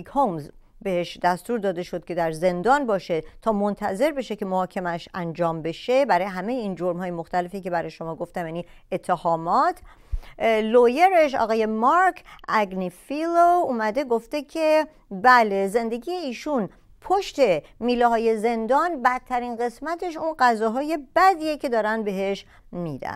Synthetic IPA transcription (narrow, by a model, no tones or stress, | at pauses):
khomz | be̞heʃd̪æst̪uːɾd̪ɒːd̪e̞ʃod̪̥̚cʰe̞d̪æɾze̞nd̪ɒːnbɒːʃe̞t̪ʰɒːmo̞nt̪ʰæze̞ɾbe̞ʃece̞mohɒːcʰemæʃænd͡ʒɒːmbe̞ʃe̞bæɾɒːjeɦæmejeiːnd͡ʒoɾmhɒːjemoxt̪æle̞fike̞bæɾɒːjeʃo̞mɒːɡo̞ft̪æmjæni | et̪ʰːehɒːmɒːt̪ʰ | lojeɾeʃɒ̰ːɣɒːje̞mɒɾkʰʔæɡnifilouːmæd̪e̞ɡoft̪e̞cʲʰe | bæleze̞nd̪e̞ɡiːjeiːʃun | pʰoʃt̪e̞miːleɦɒːje̞ze̞nd̪ɒnbæd̪̚ʰæɾiːnɢe̞smæt̪ʰe̞ʃ̬unɢæzɒːɦɒːje̞bæd̪iːjecʰe̞d̪ɒːɾænd̪be̞ɦe̞ʃ | mid̪æ̰n